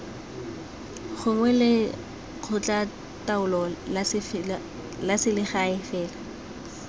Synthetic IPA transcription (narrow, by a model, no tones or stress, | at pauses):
χʊŋwɛlɪ | q͡χʰʊt͡ɬʼa | taʊlɔ | lasɪlɪχaɪfɛːla